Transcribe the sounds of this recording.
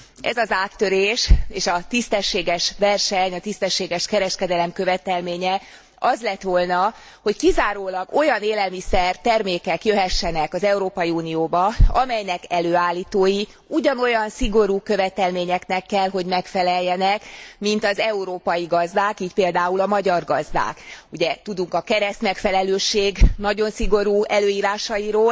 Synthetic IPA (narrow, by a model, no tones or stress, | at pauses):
ʔɛ̰zɒzaːt̪ːø̞ɾeːʃeːʃɒt̪ist̪ɛʃːeːɡɛʃvɛrʃɛɲɒt̪ist̪ɛʃːeːɡɛʃkɛɾɛʃkɛd̪ɛlɛmkø̞vɛt̪ɛlmeːɲɛ | ɒzlɛt̪ʋo̞lnɒ | ho̞ckizaːɾoːlɒɡo̞jɒneːlɛlmisɛrt̪ɛrmeːkɛkjø̞ɦɛʃːɛnɛkɒzɛuɾoːpɒjiuːnijoːbɒɒmɛjnɛkɛløːaːlːiːt̪oːji | uɟɒno̞jɒnsiɡo̞ɾuːkø̞vɛt̪ɛlmeːɲɛknɛkːɛlɦo̞ɟmɛkfɛlɛjːɛnɛkmint̪ɒzɛuɾoːpɒjiɡɒzd̪aːkiːcpeːld̪aːulɒmɒɟɒrɡɒzd̪a̰ːkuɟɛt̪ud̪uŋkɒkɛɾɛst̪mɛkfɛlɛløːʃeːɡnɒɟo̞nsiɡo̞ɾuːɛløːiːɾaːʃɒjiɾoːl